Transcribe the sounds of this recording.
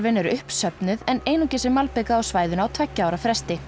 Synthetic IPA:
vɪnːɛɾʏʏhpsœpnʏðɛneːjnucɪsɛmːalpekaːwsvaːjðʏnaːwt̪ʰvɛcːaawɾafɾɛst̪ɪ

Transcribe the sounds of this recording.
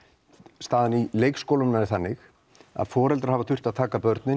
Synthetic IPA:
st̪aːðɪnileːjkskowlʏmnaɪɾθanːɪx | a̰ðfɔːɾɛlt̪ɾḁɾ̥havat̪ʰʏr̥t̪aðt̪ʰaːkapœɾt̪nɪn

